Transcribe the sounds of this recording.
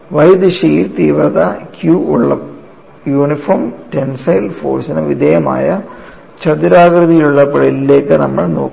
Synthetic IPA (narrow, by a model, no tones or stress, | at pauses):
ʋɐjd̪iʂɐjilt̪iːʋrɐðɐkjuːuɭːɐ̰ | juːnifoːmtensɐjlfo̰ːrsinɐʋid̪ʱejɐma̰ːjɐ | t͡ɕɐd̪uɾaːɣɾɨðijiluɭːɐpɐɽilːe̞ːkːɨnɐmːɐɭno̞ːkː